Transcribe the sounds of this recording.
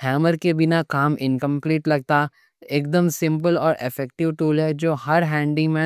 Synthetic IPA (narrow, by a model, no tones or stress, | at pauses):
hɛːməɾkebɪnakaːmɪ̃nkə̃mpliːʈlɐɡ̚t̪a | eːk̚d̪əmsɪ̃mp̬əlɔːɾɪ̰fɛːk̚ʈɪʋʈuːlɦɛd͡ʒoːhɐɾɦɛ̃ːɳɖimẽ